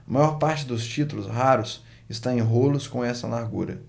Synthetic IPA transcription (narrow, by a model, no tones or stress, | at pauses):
ɐmajɔɾpaɾt͡ʃɪd̪ʊst͡ʃit̪ulʊsɦaɾʊs | ɪst̪ãẽj̃ɦolʊskõɛsɐlaɾɡṵɾɐ̰